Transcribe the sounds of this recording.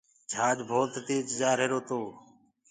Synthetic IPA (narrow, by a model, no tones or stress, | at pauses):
d͡ʒʱaːd͡ʒbʱoːt̪t̪iːt͡ʃd͡ʒaːɾeːɾoːt̪oː